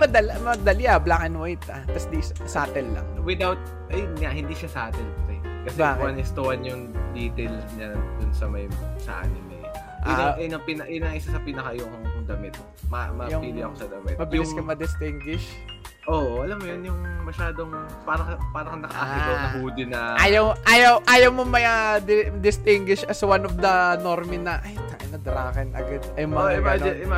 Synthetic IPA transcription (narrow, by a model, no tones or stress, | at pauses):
mɐd̪ɐlamɐd̪ɐlɪɐblakɐnwajt̪ɐt̪ɐsd̪issaːt̪ɛlːɐ̰ŋwɪd̪awt̪̚ | ʔɐjʊnŋahɪnd̪iːʃasaːt̪ɛlkɐsɛkɐsɛwɐnɪst̪owɐnjʊŋd̪iːt̪elsɲad̪ʊnsɐmɐjsɐ̰ʔa̰nɪnɛ | ʔʊnnɐpinɐʔjʊnɐŋʔɪsasɐpiːnɐkajʊŋd̪ɐmɪt̪̚ | mɐmɐjʊŋpiːlɪʔɐ̰kosɐd̪ɐmɪ̰t̪mɐbɪjlɪskɐmɐd̪ɪst̪ɪŋɡwɪʃ | ʔoʔʔɐlɐmːojonjʊŋmɐʃaːd̪oŋpaːɾɐɐpaːɾɐkɐŋnɐkɐ̰ʔaɪɐnɐhuːd̪ɪnɐʔaːjɐwʔaːjɐwʔaːjɐwmomɐjad̪d̪ɪst̪ɪŋɡwɪʃɐswanofd̪ɐno̞ɾmɪnːɐʔajnɐʔɪnɐd̪ɾaːkɛnʔɐ̰ɡɐd̪̚ɐjʊŋmɐɪmanɪnɪma